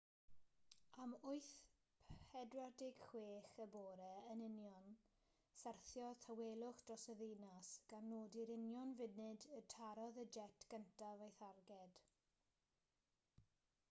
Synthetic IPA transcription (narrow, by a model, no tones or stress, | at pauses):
amʊɨθ | pʰɛdwadɪɡ̥χweːχəboːɾɛənɪnjɔn | sɛrθjɔtʰaweːlˠʊχd̥rɔsɛðinasɡ̥anːoːdɪɾɪnjɔnvɪnɨdətʰaɾɔðəd͡ʒɛtʰɡ̥əntʰavajθarɡɛd̥